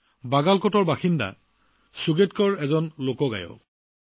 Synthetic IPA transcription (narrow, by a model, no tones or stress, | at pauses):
baɡalkɔtɔɹbaxinda̰ | suɡetkɔɹɛzɔnlokɔɡa̰jɔ̰